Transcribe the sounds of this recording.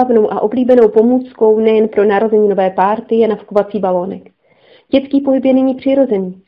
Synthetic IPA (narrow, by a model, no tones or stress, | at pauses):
avno̞wʔaʔo̞bliːbɛno̞wpo̞muːt͡sko̞wnɛjɛnpɾo̞naɾo̞zɛɲiːno̞vɛːpaːɾt̪ɪjɛnafkovat͡siːbalo̞ːnɛk | ɟɛt͡skiːpo̞ɦɪpjɛnɛɲiːpr̝̥ɪɾo̞zɛniː